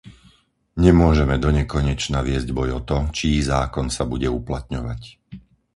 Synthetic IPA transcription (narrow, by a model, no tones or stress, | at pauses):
ɲɛmʊɔʒɛmɛd̪ɔɲɛkɔɲɛt͡ʃnaʋɪɛzɟbɔjɔt̪ɔt͡ʃizaːkɔnsabuɟɛuplat̪ɲɔʋac